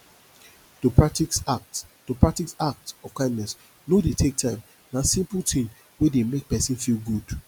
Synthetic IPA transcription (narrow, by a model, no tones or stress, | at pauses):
topɹaiatopʰɹak̚tiksak̚tɔfkãɪ̃ndnɛs | nodetʰek̚tʰãɪ̃m | nasĩmpultʰĩm | wedemek̚pɛsĩnfilɡud̥